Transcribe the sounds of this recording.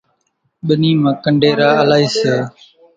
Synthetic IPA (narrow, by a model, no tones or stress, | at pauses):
ɓəniːmãːkəɳɖʱeːɾaːəlaːiːseː